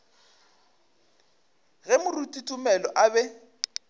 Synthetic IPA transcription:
ɣɛmʊrutʼitʼumɛlɔʔabɛ

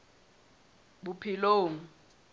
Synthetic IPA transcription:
bupʰiloːŋ̩

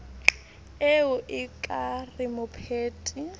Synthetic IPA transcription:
eʊʔɪkʼarɪmʊpʰeːtʼi

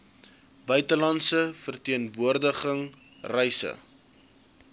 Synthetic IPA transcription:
bœɥtəlɑntsəfərtiənvuərdəχəŋ | rɛjsə̰

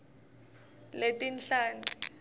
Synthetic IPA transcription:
letʼinɬaːnd͡ɮʼi

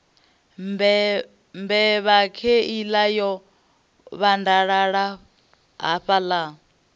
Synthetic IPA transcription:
mbɛβakʰeilajɔ | βandaɺaɺa | ɦa̰ɸala

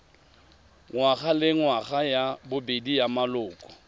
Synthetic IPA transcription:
ŋwaɣalɪŋwaɣajabʊbedijamalʊːkʼɔ̥

